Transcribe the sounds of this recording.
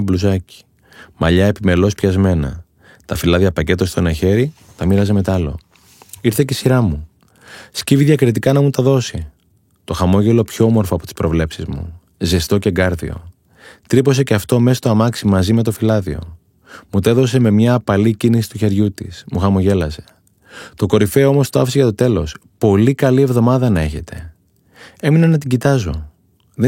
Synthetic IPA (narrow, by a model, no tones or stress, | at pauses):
bluzɐci̥ | mɐʎɐe̞pime̞lo̞spçɐzme̞nɐ̰ | t̪ɐfilɐðiɐpɐce̞t̪ost̪onɐçe̞ɾi | t̪ɐmiɾɐze̞me̞t̪ɐlo̞̰ | iɾθe̞cesiɾɐmu | sciviðʝɐkɾit̪ikɐnɐmut̪ɐðo̞si | t̪o̞xɐmo̞ʝe̞lo̞pço̞omo̞ɾfoɐpo̞t̪i̥spɾo̞vle̞psizmṵ | zest̪o̞ce̞ŋɡɐɾðḭo̞̰ | t̪ɾipo̞se̞ceɐft̪o̞me̞st̪oɐmɐksimɐzime̞t̪o̞filɐðio̞̰ | mut̪eðo̞s̬e̞me̞mɲɐːpɐlicinisi̥t̪uçe̞ɾʝut̪ismuxɐmo̞ʝe̞lɐse̞̥ | t̪o̞ko̞ɾife̞o̞mo̞st̪oɐfiseʝɐt̪o̞t̪e̞lo̞spo̞likɐlie̞vðo̞mɐðɐnɐe̞çe̞t̪e̞ | e̞minɐnɐt̪̬iɟit̪ɐzo̞̰ | ðe